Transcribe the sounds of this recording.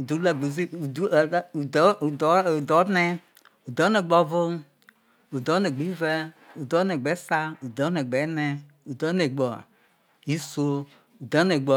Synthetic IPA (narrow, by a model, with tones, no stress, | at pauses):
u˨du˨˦la˨ɡ͡bo˨zi˦u˨u˦˨˦u˨˦u˨du˨dɔ˨˦nɛ˦ | u˨dɔ˦ne˨ɡ͡bɔ˨vo˦m | u˨dɔ˨˦ne˨ɡ͡bi˨˦vɛ˦ | u˨dɔ˦ne˨ɡ͡bɛ˨˦sa˦u˨dɔ˨˦ne˨ɡ͡bɛ˨˦ne˦ | u˨dɔ˦ne˨ɡ͡bɔ˨ | i˦so˦ | u˨dɔ˨˦ne˨ɡ͡bɔ˨